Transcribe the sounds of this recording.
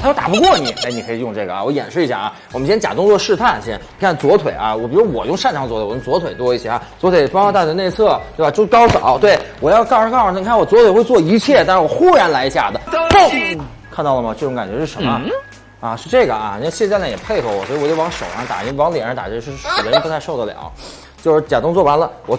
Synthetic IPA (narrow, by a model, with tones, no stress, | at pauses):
jo˥t̪a̰˨˩pu˧˥kwɔ˥˩ni˨˩ʔe˧˩ɪni˨˩˧i˨˩jʊ˥˧ŋ˧ʈ͡ʂɤ˥˩ɡə˩a̰˨˩wɔ˧˥jɛ̰˨˩nʂɻ̩˥˩i˧˥ɕja̰˥˩ʔɐ˧˩wɔ˨˩m˦ɕjɛ˥nt͡ɕa̰˨˩t̪ʊ˥ŋt͡swɔ˥˧ʂɻ̩˥˧t̪ʰa˥˩nɕɛ˥ni˨˩kʰa˥˩˥t͡swɔ˧˥t̪ʰwe˨˩ɪʔɐ˧wɔ˨˩pi˨˩ɻu˧˥wɔ˨˩jʊ˥˧ŋʂa˥˩nʈ͡ʂʰɑ˧˥ŋt͡sw̪ʰɔ˨˩jʊ˥ŋt͡swɔ˧˥t̪ʰwe˨˩ɪt̪wɔ˥i˥˩ɕjɛ˧˥ɐ˧˩t͡swɔ˧˥t̪ʰwe˨˩pɑ˥ka˥t̪a˥˩˧ne˥˧ɪt͡sʰɤ˥˩t̪we˥˩ba˧˩jo˥˧˥kɑ˥ʊʂo̰˨˩˦t̪̬we˩ɪwɔ˨˩jɑ˥˧ʊkɑ˥˧ʂ̩˧˥kʰni˨˩kʰa˥˩wɔ˨˩t͡swtʰwe˨˩ɪxwe˥˧ɪt͡swɔ˥˩i˧˥t͡ɕʰjɛ˥˩t̪a˥˧ʂɻ̩˥˩wɔ˨˩xu˥˩ɻa˧˥nla˧˥ɪt͡ɕja̰˥˩d̪ə˩˥˩ | kʰa˥˧nt̪ɑ˥˩ʊlə˩mɐ˨˩ʈ͡ʂɤ˥˩ʈ͡ʂʊ˧˥ŋka˨˩nt͡ɕɥɛ˧˥ʂɻ̩˥˩ʂə˧˥nmə˧ | ɐ˧ʂɻ̩˥˧ʈ͡ʂɤ˥˩ɡə˩ɐ̰˩˨˧ɕa˥˧na˥˩jɛ˨˩pʰe˥˩ɪxo˧˩wɔ̰˨˩swɔ˧˥i˧wɔ˨˩t͡ɕo˥˧˥ŋʂo˨˩ʊa˥t̪a̰˨˩i˥˩wɑ˧˥ŋljɛ̰˨˩nɻt̪a̰˨˩t͡ɕʂɻ̩˥˧˩d̪ə˧˥pu˧˥t̪ʰʂo˥˧ʊd̪ə˩ljɑ̰˨˩˦ | t͡ɕjo˥˧ʊʂɻ̩˥˩t͡ɕja̰˨˩t̪ʊ˥ŋt͡swɔ˥˩wa˧˥nlə˧wɔ˨˩